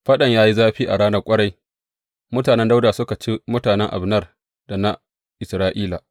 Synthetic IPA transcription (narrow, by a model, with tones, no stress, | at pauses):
ɸɐ˦ɗɐ˨ɲjaː˦ji˦zaː˦ɸiː˦ʔa̰˨ɽaː˦nɐ˦kʷʼɐ˦ɽa˦j | mʊ˦taː˨nɛ˦nda˦wda˨sʊ˦ka˨t͡ʃi˦mʊ˦taː˨nɛ˦ŋʔa̰˨bnɐ˦r | da˨na˦ | ʔɪ˨sɾaː˦ʔiː˦la˨